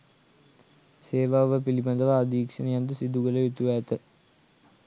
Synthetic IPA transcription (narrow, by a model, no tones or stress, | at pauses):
seːʋaːʋəpiliband̪əʋaːd̪iːkʂənejand̪əsid̪uɡələjut̪uʋæːt̪ə